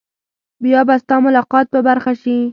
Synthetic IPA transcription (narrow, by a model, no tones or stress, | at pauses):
bjɑbast̪ɑmʊlɑqɑt̪̚pəbaɾxaʃi